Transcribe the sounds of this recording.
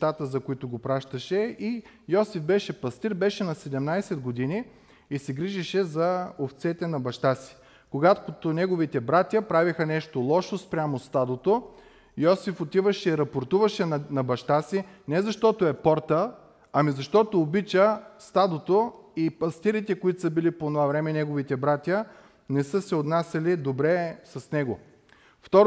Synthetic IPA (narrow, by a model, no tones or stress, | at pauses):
t̪at̪əzɐkoit̪ʊɡopɾaʃt̪əʃɛi | jɔsifbɛʃɛpɐst̪iɾbɛʃɛnɐsɛd̪ɛmnajsɛd̪ɡod̪iniː | sɛɡɾiʒiʃɛzɐoft̪sɛt̪ɛnɐbɐʃt̪asi̥ | koɡat̪kot̪onɛɡovit̪ɛbɾat̪ʲjɐpɾavixənɛʃt̪olˠɔʃospɾʲamost̪ad̪ot̪o | jɔsifot̪ivəʃɛiɾɐpoɾt̪uvɐʃɛnɐbɐʃt̪asinɛzɐʃt̪ɔt̪oɛpɔɾt̪ə | ɐmizɐʃt̪ɔt̪oːbit͡ʃəst̪ad̪ot̪oipɐst̪iɾit̪ɛkoit̪səbiliponovavɾɛmɛnɛɡovit̪ɛbɾat̪ʲjə | nɛsɤsɛot̪nasʲɐlid̪obɾɛsɐsnɛɡo | ft̪ɔɾ